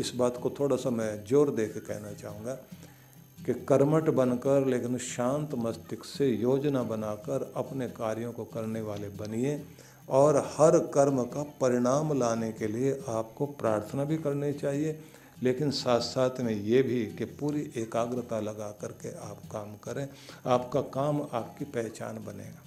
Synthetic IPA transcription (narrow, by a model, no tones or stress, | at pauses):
ɪsbaːt̪kot̪ʰoːɽasamɛ̃d͡ʒoːɾd̪eːkʰkɛ̰ɦnat͡ʃaːɦũːŋɡaː | kekɐɾməʈbɐnkəɾleːkɪnʃãːnt̪mɐst̪ɪksejoːd͡ʒnabɐnaːkəɾɐpnekaːɾijõkokɐɾneʋaːlebɐniẽ | ɔːɾhɐɾkɐɾmkapɐɾɪɽ̃aːmlaːnekelieʔaːp̚kopɾaːɾt̪ʰnabʱikɐɾnit͡ʃaːɦie | leːkɪnsaːt̪ʰsaːt̪ʰmẽjebʱikepuːɾiʔeːkaːɡɾət̪alɐɡakɐɾkeʔaːpkaːmkɐɾẽaːpkakaːmaːpkipɛɦt͡ʃa̰ːnbɐnḛːɡaː